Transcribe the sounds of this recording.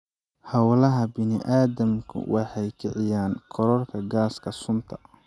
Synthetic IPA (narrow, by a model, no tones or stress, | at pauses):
hɑwlɐɦɐbɪnɪʔaːðɐmkʰʊ̰wʔɑħɑjkʰɪʕɪjaːŋkʰɔɾɔrkʰɐɡaːskʰɐsʊnt̪ʰɐ̥